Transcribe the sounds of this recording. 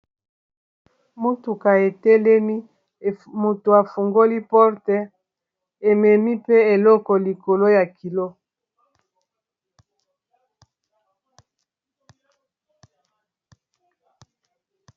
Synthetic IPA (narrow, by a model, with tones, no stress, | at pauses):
mo˦tu˨ka˨e˨tɛ˦le˦ni˦˨ | mo˨to˨a˨fu˨ŋɡo˦li˦pɔ˦ʁtɛ˦ | e˨mɛ˨ni˦pe˦e˨lɔ˦kɔ˨li˨ko˨lo˦ja˨ki˨lo˦